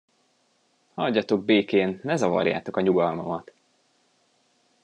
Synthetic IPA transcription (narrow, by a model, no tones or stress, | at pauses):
hɒɟːɒt̪o̞ɡ̚beːkeːnːɛzɒvɒ̰rja̰ːt̪o̞kɒɲuɡɒlmɒmɒt̪